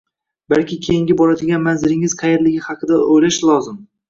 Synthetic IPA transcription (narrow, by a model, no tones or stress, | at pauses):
balkʲɪkʲʰe̞jɪŋɡʲɪbɒɾad̪ɪɡʲanmanzɪɾɪŋɪzqʰɑjeɾlɪɡʲɪhɑqʰɨd̪aojlaʃlˠɒzɪm